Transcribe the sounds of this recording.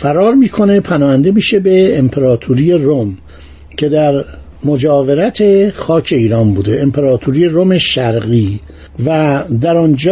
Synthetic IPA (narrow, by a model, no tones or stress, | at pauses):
fæɾɒːɾmiːkʰo̞ne̞pʰænɒːhænd̪emiːʃe̞be̞ːmpʰeɾɒːt̪ʰuɾije̞rom | cʰe̞d̪æɾ | mo̞d͡ʒɒːve̞ɾæt̪ʰe̞xɒːcʰe̞iːɾɒːnbuːd̪e̞ʔːmpʰe̞ɾɒːt̪ʰuɾiːjeɾome̞ʃæɾɣiː | væd̪æɾɒnd͡ʒ